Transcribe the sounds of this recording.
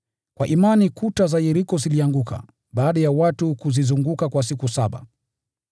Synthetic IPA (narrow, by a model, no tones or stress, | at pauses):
kwaʔimanikutazajɛɾikɔziliaŋɡuka̰ | ɓaːɗajawatukuzizuŋɡukakwas̬ikusaɓa̰